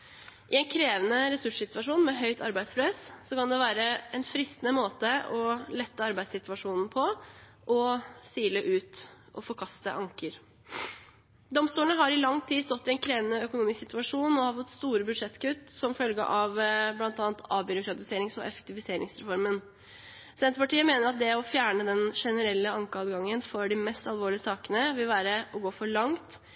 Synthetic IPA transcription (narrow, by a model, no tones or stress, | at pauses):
ʔɪɛnkʰɾeːʋənəɾɛsʉʂsɪt̪ʋɑʂuːnmɛɦœʏt̪ʰɑ̰ɾbæɪd̪spʰɾɛssɔkɑnd̪ɛʋæːɾəɛnfɾɪst̪nəmoːt̪əɔlɛt̪ːəɑɾbæɪsɪt̪ʉʋɑʂuːnn̩pʰɔ | ʔɔsiːləʔʉːt̪ | ʔɔfɔɾkʰɑst̪ə̰ʔɑŋkəɾ | d̪ɔmst̪uːləɳəɦɑɾɪlɑŋːt̪ʰiːst̪ɔt̪ːɪɛnkʰɾeːʋənəœkʊnuːmɪsksɪt̪ʉɑʂuːnɔhɑːɾfɔt̪ːst̪uːɾəbʉd̪ʂɛt̪ːkʰʉt̪ːsɔmfœlɡə̰ʔɑʋblɑnt̪ɑːnt̪ʰɑːbʏɾʊkɾɑt̪ɪseːɾɪŋsɔʔɛfɛ̥k̚t̪ɪʋɪseːɾɪ̰ŋsɾɛfɔɾmən | sɛnt̪əpɑʈiːəmeːnəɾɑt̪̚d̪ɛɔfjæːɳəd̪ɛnʂɛnəɾɛlːəɑŋkəɑːd̪ɡɑŋːənfɔɖɪmɛst̪ɑlˠʋoːɭɪəsɑːkənəʋɪlʋæːɾəʔɔɡoːfɔɭɑŋt̪